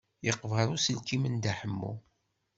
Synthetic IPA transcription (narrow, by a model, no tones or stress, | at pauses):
jəqːvəɾˤusəlkimənd̪aħəmːṵ